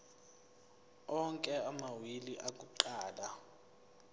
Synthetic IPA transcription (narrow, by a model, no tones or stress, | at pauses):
ɔŋkʼɛamawiliʔakʼuǃaːla